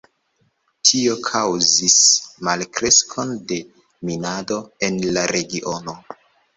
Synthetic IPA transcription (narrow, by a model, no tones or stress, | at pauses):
tʰio̞kʰawzismalkɾe̞skʰo̞nde̞ | minado̞e̞nlaɾe̞ɡiʔo̞no̞